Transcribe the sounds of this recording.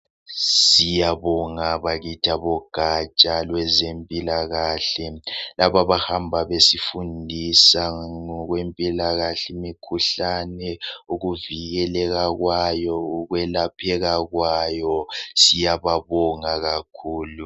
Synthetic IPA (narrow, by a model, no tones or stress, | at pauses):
sijaβɔŋaβaɣitʰaβɔɡ̥ʱat͡ʃʼalwɛzempʼilaɣaɬɛlaβaβahambʱaβesifundʱisaŋɔɣwempʼilaɣaɬɛimikʰuɬanɛuɣuviɣɛlɛɣaɣwajɔuɣwɛlapʰɛɣaɣwajɔsijaβaβɔŋaɣakʰuːlu